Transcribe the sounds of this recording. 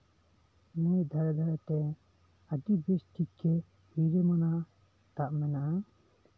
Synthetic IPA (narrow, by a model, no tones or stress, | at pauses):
nɛjd̪ʱaɾɛd̪ʱaɾɛt̪ɛ | əɖibesʈikːɛ | hiɾɛmanaʔ | t̪aʔmɛnaʔa